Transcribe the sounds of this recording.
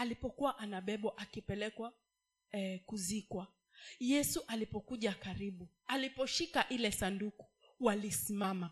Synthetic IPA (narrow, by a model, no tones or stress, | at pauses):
alipɔkuwaʔanaɓɛɓɔʔakipɛlɛkwa | kuzikwa | jɛsuʔalipɔkuʄakaɾiɓu | alipɔʃikaʔilɛsanduku̥ | walisimama